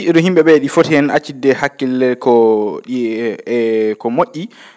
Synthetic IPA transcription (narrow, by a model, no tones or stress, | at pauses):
ɾɔhimɓɛɓɛɗifotiɛnat͡ʃːidːɛhakːilːɛɾkɔɗi | kɔmoʔʲːi